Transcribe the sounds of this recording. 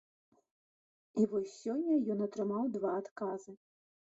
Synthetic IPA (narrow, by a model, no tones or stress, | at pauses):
ivɔsʲːɔnʲːɐjɔnɐt̪ɾɨmawd̪vaːt̪kazɨ